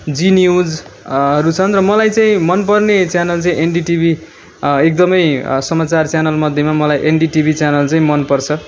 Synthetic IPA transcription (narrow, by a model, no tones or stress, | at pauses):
d͡zinjud͡zʌɾut͡sʰʌnrʌmʌlajt͡saĩmʌnpʌrnet͡sjanʌlt͡saĩʔenɖiʈibʱi | ek̚d̪ʌmʌjsʌmat͡sart͡sjanʌlmʌd̪ʱːjemamʌlajʔenɖiʈibʱit͡sjanʌlt͡saĩmʌnpʌrt͡sʰʌ